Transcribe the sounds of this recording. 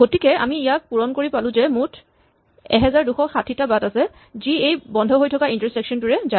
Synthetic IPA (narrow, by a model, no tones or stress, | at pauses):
ɡotikɛa̰miijak̚puɹɔnkoɹipalʊ̃zɛmutʰ | ɛ̰ɦɛzaɹduxɔxatʰitabatasɛ | ziejbɔndʱɔɦojtʰɔkaʔintaɹsɹɛksɔntuɹɛza